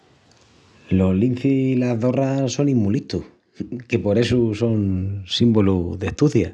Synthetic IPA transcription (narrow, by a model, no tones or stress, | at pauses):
lo̞lin̟θihilaðo̞raso̞nĩmːulit̪u | ke̞po̞ɾe̞suso̞nsimboluðe̞ht̪uθja